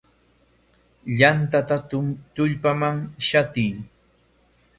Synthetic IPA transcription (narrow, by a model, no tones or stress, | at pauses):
ʎant̪at̪at̪ʊmt̪ʊʎpamaŋʃat̪ɪj